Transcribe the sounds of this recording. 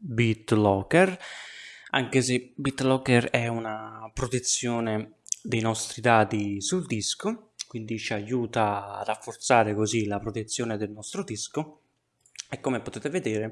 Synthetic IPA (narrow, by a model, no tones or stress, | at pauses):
bit̪lɔkɛr | a̰ŋk̟esebit̪ːlɔkɛɾɛunapɾot̪et̪sːjɔːne | d̪ejnɔst̪ɾid̪aːt̪isuld̪iskokwind̪it͡ʃiajuːt̪aːrafːort̪saːɾekozilapɾot̪et̪sːjɔːned̪elnɔst̪ɾod̪isko | ɛkːomepot̪eːt̪eved̪eːɾe